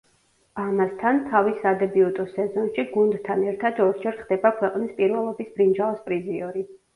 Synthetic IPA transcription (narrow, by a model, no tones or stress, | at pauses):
amast̪ʰant̪ʰavisad̪ɛbiut̪ʼɔsɛzɔnʃiɡund̪t̪ʰːanɛɾt̪ʰad̪ɔɾd͡ʒɛɾt̪χd̪ɛbakʰwɛqʼnispʼiɾvɛlˠɔbisb̥ɾind͡ʒaɔspʼɾiziɔɾi